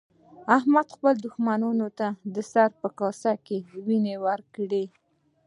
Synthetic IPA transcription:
ahmad̪xpəld̪ʊxmanunot̪ad̪əsaɾpəkɑsakewinewəɾkɽe

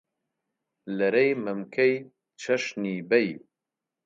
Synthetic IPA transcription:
lɐɾejmɐmkʰej | t͡ʃʰɐʃniːbɐj

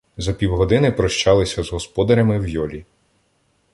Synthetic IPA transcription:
zɐpʲiwɦɔd̪ɪnɪpɾɔʃt͡ʃɑlˠɪsʲɐzɦɔspɔd̪ɐɾʲɐmɪwjɔlʲi

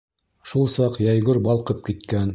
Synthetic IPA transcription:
ʃulˠsɑqjæjɡɵɾbɑlˠqɤp̚kit̪kæn

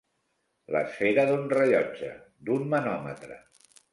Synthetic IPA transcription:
lə̰sfeɾəðunrəʎɔd͡ʒə̰d̪ummənɔmə̰t̪ɾə̰

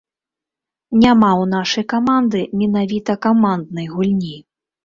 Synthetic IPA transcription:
nʲamawnaʂɐjkamand̪ɨmʲɛnavʲit̪ɐkamand̪nɐjɣulʲnʲi

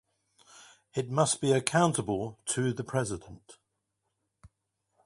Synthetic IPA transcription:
ɪt̚mʌsb̥iəkʰãʊ̃ntəbəlˠtʰəðəpʰɹ̥ɛzɪdə̃nt

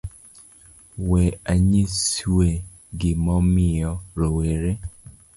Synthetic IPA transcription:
wɛaɲise | ɡɪmɔmɪɔɾoweɾe

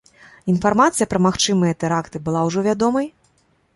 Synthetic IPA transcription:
infarmat̪sɨjɐpɾɐmaxt͡ʂɨmɨjɐt̪ɛɾakt̪ɨbɨlˠawʐɔvʲad̪ɔmɐj

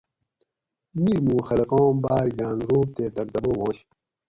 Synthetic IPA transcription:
miɾmũːxɐleqõːmbaːɾɡ̪ãːnɾuːp̚t̪eːt̪ɐɾd̪ɐboːmõːɕ

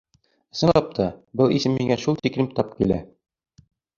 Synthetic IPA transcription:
sɤ̆nˠɑp̚t̪ʰɑbɤlˠisɘmːiŋæʃulˠt̪ikɾʲɘmt̪ɑp̚kilæ̰

